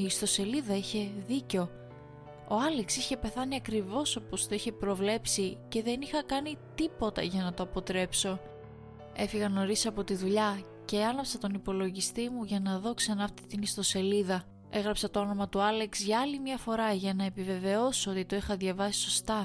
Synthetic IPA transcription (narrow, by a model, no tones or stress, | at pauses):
iːst̪o̞se̞liðɐiçe̞ðiceo̞ | oɐliksiçe̞pe̞θɐniɐkɾivo̞so̞post̪o̞içe̞pɾo̞vle̞psice̞ðe̞nixɐkɐnit̪ipo̞t̪ɐ̰ʝɐnɐt̪o̞ɐpo̞t̪ɾe̞pso̞ | e̞fiɣɐno̞ɾisɐpo̞t̪iðuʎɐ | ce̞ɐnɐpsɐt̪o̞nipo̞lo̞ʝist̪imuʝɐnɐðo̞ksɐnɐːft̪it̪inist̪o̞se̞liðɐ | e̞ɣɾɐpsɐt̪o̞o̞no̞mɐt̪uɐle̞ksʝɐɐlimɲɐfo̞ɾɐʝɐnɐepive̞ve̞o̞so̞t̪it̪o̞ixɐðʝɐvɐsi̥so̞st̪ɐ